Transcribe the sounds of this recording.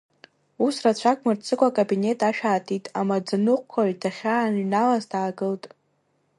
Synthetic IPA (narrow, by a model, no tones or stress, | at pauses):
usrat͡ɕʷʰakʷʼmɨrt͡sʰɨkʷʼakʼabine̞tʼaʃᶣaːtʰitʼamad͡zɨnɨqʷkʷʰaɥdaχʲanɥnalazdaːɡɨltʼ